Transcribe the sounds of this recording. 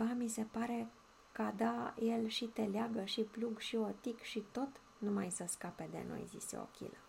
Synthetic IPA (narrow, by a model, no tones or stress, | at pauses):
vamise̞paɾe̞ | kəad̪aje̞lʃit̪e̞leaɡəʃipluɡʃiot̪ikʃit̪o̞t̪ | numajsəskape̞d̪e̞̰no̞̰jzḭsḛo̰kʲḭlə